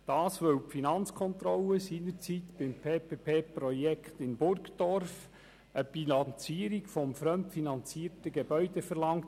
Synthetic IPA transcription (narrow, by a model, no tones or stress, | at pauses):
d̥ɑːsʋɵwpfinɑnt͡skʰɔnt̪ɾɔləsiːnəɾt͡sit̪b̥ɪmpʰeːpʰeːpʰeːpɾɔjɛkχt̪ɪnbʊrkd̥ɔɾf | əb̥inɑnt͡siːəɾiɡfɔmfɾœmtfinɑnt͡siːətəɡebœʏdefəɾlɑŋt